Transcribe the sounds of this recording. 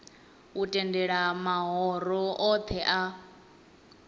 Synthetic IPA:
utʼɛndɛɺamaɦɔɾɔʔɔt̪ʰɛʔa

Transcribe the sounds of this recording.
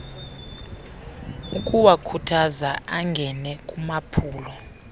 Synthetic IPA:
ukʼuwakʰutʰazaʔaŋɡʱɛnɛkʼumapʰuːlɔ

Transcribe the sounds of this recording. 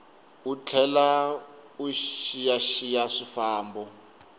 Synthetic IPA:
ut͡ɬʰɛlauʃijaʃijaʂifaːmbɔ

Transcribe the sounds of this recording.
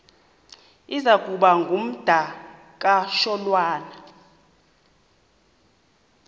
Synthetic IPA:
izakʼuɓaŋɡʱum̩d̥ʱa | k̬ʼaʃɔlwaːna

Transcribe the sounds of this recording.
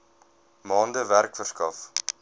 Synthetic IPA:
mɑːndəværkfərskɐf

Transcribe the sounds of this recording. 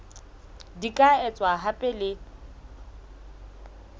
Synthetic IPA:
dikʼaɛt͡sʼwaɦapʼɛlɪ

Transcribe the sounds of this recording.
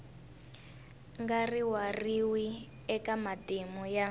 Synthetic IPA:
ŋɡariwariwi | ɛkamadimuja

